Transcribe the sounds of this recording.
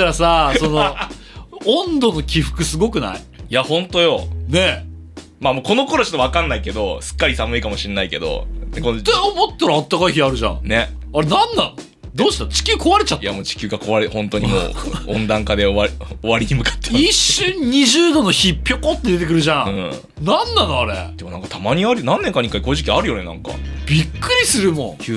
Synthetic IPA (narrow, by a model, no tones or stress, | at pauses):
aɾasaso̞no | õnd̪o̞no̞kʲiɸɯ̟̥kɯ̟sɨɡo̞kɯ̟na̰ḭ | jahõ̞nt̪ojo̞ne̞ | mamoːko̞no̞ko̞ɾot͡ɕot̪ːoakãnːaike̞d̪o̞sɨ̥kːaɾʲisamɯ̟ikamo̞ɕienaike̞d̪o̰kond̪̥eomot̪t̪ːaɾaːt̪ːakaiçiaɾɯ̟ʑã̰ne̞ | aɾenãnːãno | d̪oːɕi̥t̪t͡ɕi̥kʲɨːkʰo̞βaɾet͡ɕat̪ːjamoːt͡ɕi̥kʲɨːɡako̞βaɾehõ̞nt̪o̞ɲ̟imo̰ːõnd̪ãŋkad̪e̞oaoβaɾʲiɲimɯ̟kḁt̪ːeiɕːɨ̃ɲ̟ɲiʑɨːd̪onoçipʲjokot̪ːe̞d̪e̞t̪ekɯɾɯ̟ʑãɯ̟̃ | nãnːanoaɾḛd̪e̞mo̞nãŋkḁt̪ʰamaɲ̟iaɾɯ̟nãnːeŋkaɲikaikoʑikʲiaɾɯ̟jo̞ne̞nã̰ŋka̰b̥ʲikːɯ̟ɾʲisɨɾɯ̟mõ̰